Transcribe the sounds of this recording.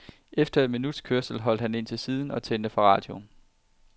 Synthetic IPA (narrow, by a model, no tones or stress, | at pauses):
efd̥ɐe̝d̥minud̥skʰøɐsl̩ɦɒ̽l̰d̥hæne̝n̰t͡sʰe̝lsiːð̞ˠn̩ɒ̽t͡sʰend̥əfɑ̈ʁɑ̰̈ːd̥jo̝n